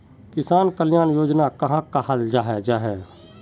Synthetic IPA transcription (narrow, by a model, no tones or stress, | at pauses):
kɪsaːnkəljaːnjoːd͡ʒnakɐɦãkahald͡ʒaːɦɛd͡ʒaːɦɛː